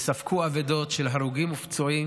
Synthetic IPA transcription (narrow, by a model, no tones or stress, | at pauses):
safkuavedo̞tʃelɦaɾuɡimːuft͡soim